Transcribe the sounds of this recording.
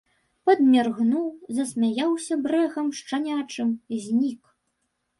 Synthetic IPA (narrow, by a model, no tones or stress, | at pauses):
pɐd̪mʲarɣnuwzɐsʲmʲajawsʲɐbɾɛɣɐmʂt͡ʂanʲat͡ʂɨmzʲnʲik